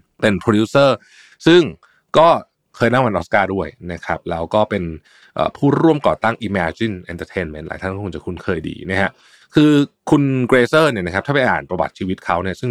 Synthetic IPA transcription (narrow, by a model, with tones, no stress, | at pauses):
pe˧npʰoː˧duː˦˥sɤː˥˩ | sɯ˥˩ŋ | kɔː˥˩ | kʰɤː˧jna˥˩ŋwa˧nʔɔ˦˥skaː˥˩du˥˩əjna˦˥kʰɾa˦˥p̚lɛː˦˥wkɔː˥˩pe˧n | ʔə̰ː˨˩pʰuː˥˩ɾu˥˩əmkɔ̰ː˨˩t̪a˥˩ŋʔiː˧mɛː˧t͡ɕi˥˩nʔɛ˧nt̪əː˧t̪ʰeː˧nme˦˥nla̰ː˩˦j̪ʰa˥˩kɔː˥kʰŋt͡ɕa˨˩kʰu˧nkʰɤː˧jdḭː˧˩na˦˥kʰa˦˥ʔ | kʰɯː˧kʰu˧nkɾeː˧sɤː˥˩ni˥˩ɐna˦˥kʰa˦˥t̪ʰːpa˨˩jʔa̰ː˨˩npɾa˧ba̰˨˩t̪̚t͡ɕʰiː˧wi˦˥t̪̚kʰa˦˥wni˥˩ɐsɯ˥˩